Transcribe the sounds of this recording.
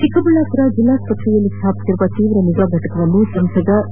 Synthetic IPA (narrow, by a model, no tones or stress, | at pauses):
ʈikɐbulaːkɐɾad͡ʒilaːspɐʈʰɾijɐlːit̪ʰaːpt̪iɾuʋat̪iːʋɾɐniʋaːɡʱɐʈɐkɐʋɐnːusɐmsɐd̪ɐ